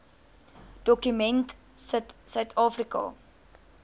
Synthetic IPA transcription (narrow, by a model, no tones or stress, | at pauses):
d̥ɔkymɛnt | sətsœɥtʰɑːfrikɐ̰